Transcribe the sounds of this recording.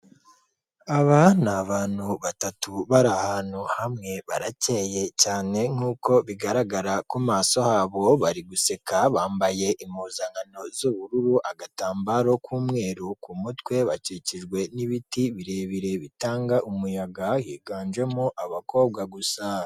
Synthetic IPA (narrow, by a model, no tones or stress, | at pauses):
aβanaβaːn̥huβatatuβaɾahaːnhuhamŋe̞βa̰ɾaceje̞caːne̞ŋ̥uːko̞βiɡaɾaɡaɾakumaːso̞haːβo̞βaɾiɡuse̞kaβaːmbaje̞ʔimuːzaŋɡano̞zuβuɾuɾuʔaɡataːmbaɾo̞kʰuːmŋe̞ːɾukumutwe̞βaciciʒɡwe̞niβitiβiɾe̞βiɾe̞βitaːŋɡaʔumujaɡahiːɡaːnd͡ʒwe̞muʔaβako̞ːβɡaɡusa